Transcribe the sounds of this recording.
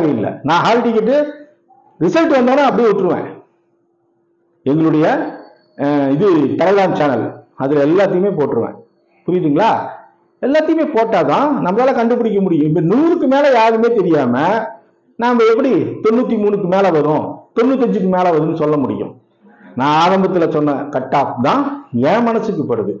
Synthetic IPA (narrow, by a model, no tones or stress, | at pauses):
ɣɐɪlːɐ̰nãːɦaːlɪʈːikːɪʈːɯ | ɾɪsɐlʈʋɐnd̪oːnɐɐpːɐɽɪjʊʈːɯɾɯʋḛ̃ː | ɛŋɡɐɭɯɽɐjɐ | ɪðɯʈɐɐlaːnt͡ʃaːnɐlɐðɪlɐɛlːaːt̪ːɪjɯmeːpoːʈːɾɯʋḛ̃ː | pʊɾɪjɾɯːŋɡɐɭaː | ɛlːaːt̪ːɐjɯmeːpoːʈːaːt̪ãːnɐmːɐðaːlɐkɐɳɖɯp̬ːɪɽɪk̬ːɐmʊɽɪjʊ̃ɪpːɐnuːɾɯkːɯmeːlɐjaːɾɯmeːt̪ɛɾɪjaːmɐ | naːmɐɛpːɐɽit̪ɔnːuːt̪̬ːimuːnɯkːɯmeːlɐʋɐɾʊ̃t̪ɔnːut̪̬ːɐɲd͡ʒɯkːɯmeːlɐʋɐɾɯnːɯsɔlːɐmʊɽɪ̰jʊ̰̃ | nãːaːɾɐmbɐt̪ːɪlɐsɔnːɐkɐʈːaːpt̪ãːɛ̃ːmɐnɐsːɯk̬ːɯpoːɾɐðɯ